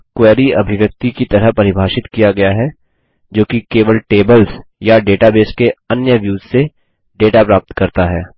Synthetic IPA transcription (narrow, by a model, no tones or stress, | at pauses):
kwɛːɾiɐ̰bʱɪʋjək̚t̪ikit̪ɐɾəɦpɐɾɪbʱaːʃɪt̪kijaɡɐjaɦɛ | d͡ʒoːkikeːʋəlʈeːbəlsjaɖeːʈabeːskeɐnjəʋjuːzse | ɖeːʈapɾaːp̚t̪kɐɾt̪aɦɛː